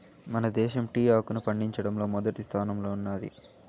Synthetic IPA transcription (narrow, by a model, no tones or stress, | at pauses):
mɐnɐd̪ɛːʃɐmʈiːaːkunupɐɳɖiɲt͡ʃɐɽɐmlo̞ːmɔd̪ɐʈist̪ʰaːnɐmlo̞ːunːaːd̪ḭ